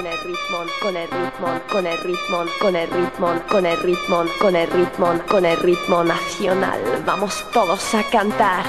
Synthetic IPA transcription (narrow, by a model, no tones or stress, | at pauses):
nɛrit̪mɔnkɔnɛrit̪mɔnkɔnɛrit̪mɔnkɔnɛrit̪mɔnkɔnɛrit̪mɔnkɔnɛrit̪mɔnkɔnɛrit̪mɔnaθiɔna̰lva̰mɔst̪ɔlɔsakant̪aɾ